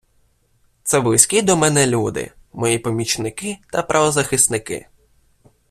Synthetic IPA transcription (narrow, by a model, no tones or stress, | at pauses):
t̪sɛblɪsʲkʲid̪ɔmɛnɛlʲud̪ɪ̰mɔjipɔmʲit͡ʃnɪkɪt̪ɐpɾʔɐʋɔzɐxɪst̪nɪkɪ̰